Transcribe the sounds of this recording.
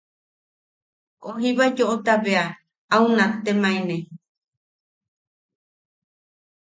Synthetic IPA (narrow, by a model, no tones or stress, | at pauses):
koɦiβaed͡ʒoʔot̪aβea | aunãt̪emãẽnẽ